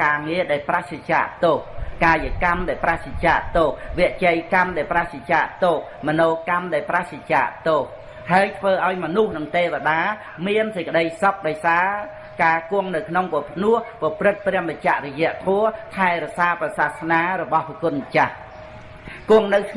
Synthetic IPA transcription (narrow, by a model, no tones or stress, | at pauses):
kaːŋiəɗaɛlpraht͡ɕat͡ɕa̰ːʔt̪oːh̚kaːjəkamɗaɛlpraht͡ɕit͡ɕaːʔt̪oːhʋɛəʔt͡ɕəjkamɗaɛlpraht͡ɕit͡ɕaːʔt̪oːh̚ | mɔnoːkamɗaɛlpraht͡ɕit͡ɕa̰ːʔt̪oːh | haəjt̪ʰʋəːʔaɔjmɔnuhnɨŋt̪eːʋəɗaː | miənsəc̚kəɗəjsɑk̚ɗaɔjsaː | kaːkʊəŋnɨwkʰnoŋpopʰnuəhpɑprɨt̪̚prɛ̆əmət͡ɕaʔrɔjɛ̆əʔt̪ʰɔət̪ʰaɛɾɔsaːprɑsahsnaːɾɔɓɑhʋikʊ̆ət̪̚mət͡ɕah | kʊ̆əŋnɨwkʰ